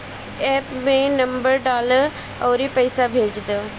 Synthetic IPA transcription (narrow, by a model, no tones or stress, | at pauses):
ɛːpmẽːnəmbəɾɖaːləɾ | ɔːɾiːpəjːsabʱeːd͡ʒd̪a